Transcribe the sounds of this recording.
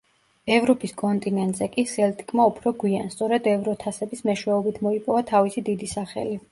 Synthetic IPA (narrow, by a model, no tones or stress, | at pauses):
ɛvɾɔpʼiskʼɔnt̪ʼinɛnt̪ʼz̥ɛkʼisɛlt̪ʼi̥kʼmaupʰɾɔɡwianst̪sʼɔɾɛd̪ɛvɾɔt̪ʰasɛbismɛʃwɛɔbit̪ʰmɔipʼɔvat̪ʰavisid̪id̪isaχɛ̰li